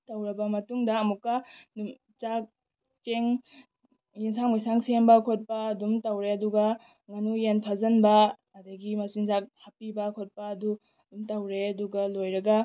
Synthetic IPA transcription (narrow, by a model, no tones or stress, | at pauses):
tɐwɾɐbɐmɐtuŋdɐːmukːɐnum | t͡ʃak̚ | t͡ʃeŋ | jiŋsaŋmajsaŋsembɐkʰot̚pɐɐdumtɐwɾeɐduɡɐ | ŋɐnujenpʰɐzɐnbɐː | dɐɡimɐsiŋzak̚hapibɐkʰot̚pɐːdu | dumtɐwɾeɐduɡɐlojɾɐɡɐ